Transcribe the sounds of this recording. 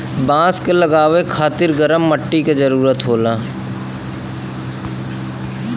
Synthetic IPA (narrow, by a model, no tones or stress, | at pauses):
bãːskeləɡaːʋekʰaːt̪ɪɾɡəɾəmːəʈːikezɐɾuːɾət̪ɦoːlaː